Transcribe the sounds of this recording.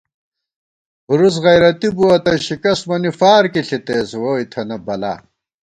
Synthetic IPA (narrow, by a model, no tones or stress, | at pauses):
huɾus̬ɣɐjɾɐt̪ibuɐt̪ɐɕikɐsmɐnifaːɾkiɬit̪eːswoːit̪ʰɐnɐbɐla̰ː